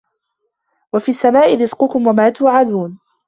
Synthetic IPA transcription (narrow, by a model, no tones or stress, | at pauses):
wafiːʔasːamaːʔɪɾɪzqʊkʊmwamaːt̪ʊʕaðuːn